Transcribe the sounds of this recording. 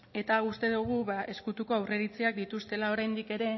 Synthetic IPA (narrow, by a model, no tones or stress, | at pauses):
e̞t̪aust̪e̞ðuɣ̞uβaʔe̞skut̪uko̞awre̞ɾit͡seak̚d̪it̪ust̪e̞lao̞ɾajnd̪ike̞ɾe̞